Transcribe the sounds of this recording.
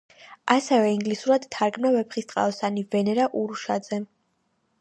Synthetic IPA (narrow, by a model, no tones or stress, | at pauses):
asɛvɛiŋɡlisuɾad̪t̪ʰːaɾɡmnavɛpχist̪ʼqʼa̰ɔsanivɛnɛɾaʔuɾuʃad̪z̥ɛ